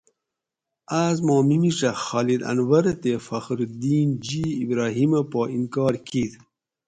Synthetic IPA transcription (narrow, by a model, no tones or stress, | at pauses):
azmɑːmimiʂɐxɑːlid̪ɐ̰nwɐɾt̪efɐxɾud̪iːnd͡ʑiːbɾɑːɦimɐpoːʔinkɑːɾkid̪